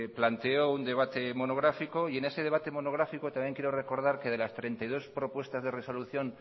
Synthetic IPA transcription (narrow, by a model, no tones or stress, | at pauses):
plant̪eound̪e̞βat̪e̞mo̞noɣ̞ɾafiko̞ie̞ne̞se̞ð̞e̞β̞at̪emo̞noɣ̞ɾafikot̪amjeŋkjeɾore̞ko̞ɾð̞aɾke̞ð̞e̞last̪ɾe̞nt̪ajð̞o̞spɾo̞pwe̞st̪azðe̞re̞so̞luθjo̞n